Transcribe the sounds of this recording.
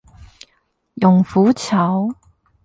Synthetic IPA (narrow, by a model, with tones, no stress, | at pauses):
jʊ˨˩ŋfuː˨˥t͡sʰɐ˨˥w